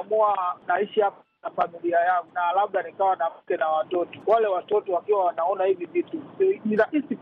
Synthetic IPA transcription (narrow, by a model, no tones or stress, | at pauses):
muanaiʃihap | nafamiliajaŋɡunalaɓɗanikawanam̩kɛnawatɔtɔ̥walɛwatɔtɔwakiwawanaɔnahivivituinaʔisi